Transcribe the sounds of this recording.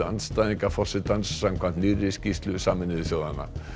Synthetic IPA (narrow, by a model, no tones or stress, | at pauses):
a̰nst̪aðiŋkafɔ̥sɪt̪ansːamkʰvant̪nirɪscist̪lʏsaːmɪnɪðʏsjoːwðanːa̰